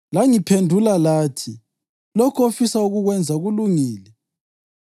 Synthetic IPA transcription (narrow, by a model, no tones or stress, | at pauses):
laŋipʰendʱulalaːtʰi | lɔkʰofisauɣuɣwɛnd͡zʱaɣuluŋiːlɛ